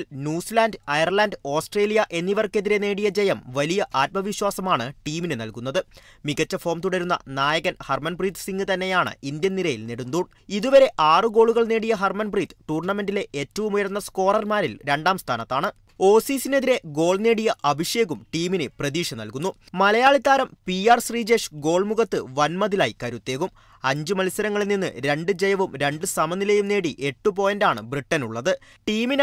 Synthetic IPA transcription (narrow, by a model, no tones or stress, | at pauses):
lnjuːslaːndɨɐjɐrlaːnɖɨo̞ːsʈre̞ːlijɐʔe̞nːiʋɐrke̞ðiɾe̞ne̞ːɽijɐd͡ʑejɐmʋɐlijɐʔaːt̪̚mɐʋiɕwaːsɐmaːɳɨʈiːminɨnɐ̰lkunːɐðɨmiɣɐt͡ɕːɐfo̞ːmt̪uɽɐɾunːɐ̰naːjɐɣɐnhɐrmɐnbriːt̪siŋɡɨt̪ɐnːe̞jaːɳɨ̰ind̪jɐnːiɾɐjilniɽund̪uːɳ | iðuʋɐɾe̞ʔaːrɨɡo̞ːɭuɣɐɭneːɽijɐɦɐrmɐnbriːt̪ʈuːrɳɐme̞ndile̞ʔeːtːɐʋumujɐɾunːɐsko̞ːrɐrmaːɾilɾe̞ɳɖaːmst̪ʰaːnɐt̪ːaːɳɨ | o̞ːsiːsineðiɾe̞ɡo̞ːɭne̞ːɽijɐʔɐbʱiʂje̞ːɣumʈiːminɨprɐðiːʂɐnːɐ̰lkunːu | mɐlɐjaːɭit̪ːaːɾɐmpiaːrsriːd͡ʑe̞ːʂɡo̞ːɭmuɣɐt̪ːɨʋɐnmɐðilaːjikɐɾut̪ːe̞ːɣum | ɐɲd͡ʑɨmɐlisɐɾɐŋːɐɭilninːɨɾe̞ɳɖɨd͡ʑejɐʋumɾe̞ɳɖɨsɐmɐnːilejumne̞ːɽiʔeʈːup̬o̞ːjɐndaːɳɨ̰briʈːɐnuɭːɐðɨ | ʈiːmin